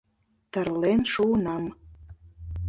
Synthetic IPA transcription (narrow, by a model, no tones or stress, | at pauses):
t̪ərlenʃunɑm